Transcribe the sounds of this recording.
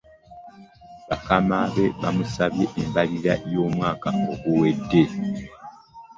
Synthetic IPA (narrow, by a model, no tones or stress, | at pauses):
βakamaβe̞βa̰musaβje̞ʔembaliɾajo̞ːmwaːkaoɡuwe̞dːe̞